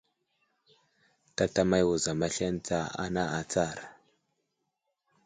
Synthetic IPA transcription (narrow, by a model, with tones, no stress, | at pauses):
ta˦ta˦ma˦jwu˨za˨ma˦ɬe˦nt͡sa˦a̰˦na˦a˨t͡sa˦˨ɾ